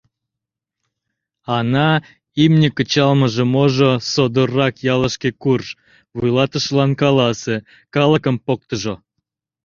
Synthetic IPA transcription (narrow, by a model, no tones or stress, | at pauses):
ɑnɑ | imnʲəkət͡ɕɑlməʒemoʒosod̪orːɑkjɑləʃkekurʃ | βujlɑt̪əʃlɑnkɑlɑse | kɑləkəmpok̚t̪əʒo